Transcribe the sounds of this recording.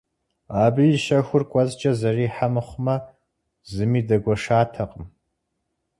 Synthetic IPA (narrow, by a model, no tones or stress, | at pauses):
aːbɨjɪʃɐxʷʊrkʷʼɔzt͡ʃʼɐzɐriːħamɨχʷmɐ | zɨmiːdɐɡʷɔʂaːtʰɐqʼəm